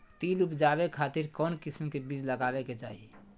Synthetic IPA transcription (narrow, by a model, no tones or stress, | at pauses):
t̪ilupd͡ʒabekʰaːt̪iɾkɔnkismkebid͡ʒləɡabeket͡ʃa̰ɦi